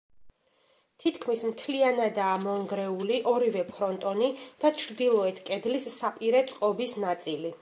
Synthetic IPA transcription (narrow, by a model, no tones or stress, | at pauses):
t̪ʰit̪ʰkʰmismt̪ʰlianad̪aːmɔŋɡɾɛuliʔɔɾivɛpʰɾɔnt̪ʼɔnid̪̥at͡ʃʰɾd̪ilˠɔɛt̪ʰkʼɛd̪lisːapʼiɾɛt̪sʼqʼɔbisnat̪sʼili